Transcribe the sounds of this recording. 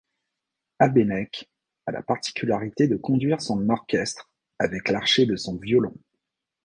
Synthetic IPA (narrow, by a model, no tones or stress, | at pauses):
abenɛk | alʔa̰paʁt̪i̥kʲʰylaʁit̪ed̪əkɔ̃d̪ɥiʁsɔ̃nɔʁkʲɛst̪χ | avɛklaʁʃed̪əsɔ̃vjɔlɔ̃